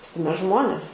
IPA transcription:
ʋʲɪˈsʲɪ ˈmʲɛs ˈʒmoːnʲeːs

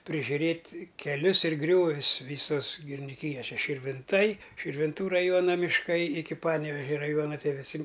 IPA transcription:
pʲrʲɪʒʲʊˈrʲeːtʲ kʲɛˈlʲʊs ɪr ˈɡrʲoːʋʲʊs ˈʋʲiːsoːs ɡʲɪrʲɪnʲɪˈkʲiːjoːs ˈʃʲɛ ʃʲɪrʲʋʲɪnˈtɐɪ ʃʲɪrʲʋʲɪnˈtuː rɐˈjuɔnɐ mʲɪʃˈkɐɪ ɪkʲɪ ˈpɑːnʲɛʋʲɛʒʲɛ rɐˈjuɔnɐ tʲiɛ ʋʲɪˈsʲɪ

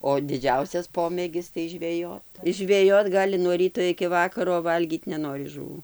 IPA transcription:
oː dʲɪˈd͡ʒʲɛʊsʲɛs ˈpoːmʲeːɡʲɪs tɐɪ ʒʲʋʲɛˈjoːt ɪs ʒʲʋʲɛˈjoːt ˈɡɑːlʲɪ nuɔ ˈrʲiːtoː ɪkʲɪ ˈʋɑːkɐroː oː ˈʋɐlʲɡʲiːt nʲɛˈnoːrʲɪ ʒʊˈʋuː

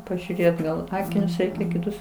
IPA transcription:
pɐʒʲuːˈrʲeːt ɡɐlˠ ˈɑːkʲɪnʲʊs ˈrʲɛɪkʲɛ kʲɪˈtʊs

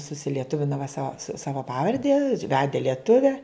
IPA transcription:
sʊsʲɪlʲiɛˈtʊʋʲɪnɐ ʋɐ sɐ ˈsɑːʋɐ ˈpɑːʋɐrʲdʲɛ ˈʋʲæːdʲɛ lʲiɛˈtʊʋʲɛ

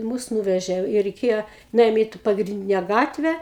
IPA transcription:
ˈmʊs ˈnuːʋʲɛʒʲeː ɪ rʲɛɪˈkʲeːjɛ nʊˈeːjoːm ˈiː t ˌpɑːɡrʲɪnʲˈdʲɪnʲɛ ˈɡɑːtʲʋʲæː

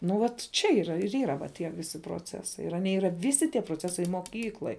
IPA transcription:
nʊ ˈʋɐt ˈt͡ʃʲɛ iːˈrɐ ɪr ˈiːrɐ tʲiɛ ˈʋʲɪsʲɪ proːˈt͡sʲæːsɐɪ ɪr ɐˈnʲiɛ ˈiːrɐ ˈʋʲɪsʲɪ tʲiɛ proːˈt͡sʲæːsɐɪ moːˈkʲiːklˠoːj

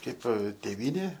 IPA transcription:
ˈkɐɪp tʲeːˈʋʲiːnʲeː

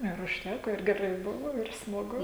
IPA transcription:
ɪr ʊʃʲˈtʲækoː ɪr ɡʲɛˈrɐɪ ˈbʊʋoː ɪr smɐˈɡʊ

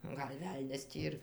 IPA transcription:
ˈɡɐlʲ ˈʋʲɛlʲnʲɛs ˈtʲiː ɪr

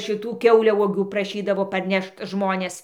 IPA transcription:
ʃʲɪˈtuː ˈkʲɛʊlʲɛʊɔɡʲuː prɐˈʃʲiːdɐʋoː pɐrʲˈnʲɛʃt ˈʒmoːnʲeːs

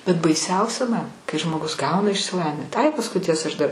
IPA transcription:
bʲɛt bɐɪˈsʲɛʊsʲɛ mɐn kɐɪ ʒmoːˈɡʊs ˈɡɐʊnɐ ɪʃʲsʲɪˈlˠɑːʋʲɪn ɐɪ pɐsˈkʊɪ ˈtʲiɛsɐ ɐʃ dɐr

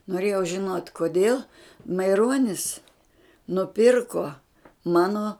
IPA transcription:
noːˈrʲeːjɛʊ ʒʲɪˈnoːtʲ koːˈdʲeːlˠ mɐɪˈroːnʲɪs nʊˈpʲɪrkoː ˈmɑːnoː

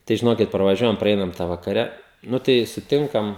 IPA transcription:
tɐɪ ʒʲɪˈnoːkʲɪt prɐˈʋɑːʒʲuɔjɛm prɐˈɛɪnɐm tɑː ʋɐkɐˈrʲɛ ˈnʊ tɐɪ sʊˈtʲɪŋkɐm

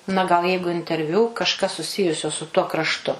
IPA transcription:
nɐ ˈɡɐlˠ ˈjɛɪɡʊ ɪnʲtʲɛrʲˈʋʲuː kɐʃˈkɐs sʊˈsʲɪjʊsʲoː sʊ tuɔ krɐʃˈtʊ

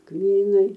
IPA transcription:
ˈkmʲiːnɐɪ

